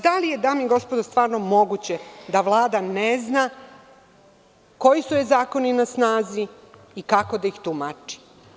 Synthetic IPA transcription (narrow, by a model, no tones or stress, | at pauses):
d̪alije̞d̪aːmiɡo̞spod̪ost̪ʋaːɾnomo̞ɡut͡ɕed̪aʋlˠaːd̪anezna | ko̞jisujezaːko̞ninasnaːziː | kako̞d̪aixt̪umat͡ʃi̥